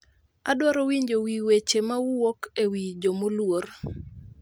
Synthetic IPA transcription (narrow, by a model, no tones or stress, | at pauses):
adwɔɾowiɲd͡ʒowiwet͡ʃemawuwokewid͡ʒomolwoɾ